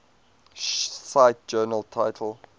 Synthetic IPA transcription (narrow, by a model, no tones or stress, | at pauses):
saɪt̚d͡ʒɜːnəlˠtʰaɪtʰəlˠ